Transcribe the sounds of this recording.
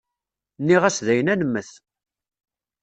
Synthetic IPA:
nːiʁæsðæjənænəmːəθ

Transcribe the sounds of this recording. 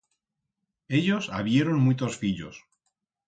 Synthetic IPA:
e̞ʎo̞sa̰βje̞ɾonmut̪osfiʎo̰s

